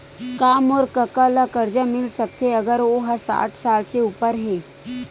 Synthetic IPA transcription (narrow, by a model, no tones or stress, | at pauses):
kaːmɔːɾkəkəlakəɾd͡ʒəmɪlsək̚t̪eəɡəɾoɦasa̰ːʈʰsaːlseupəɾɦe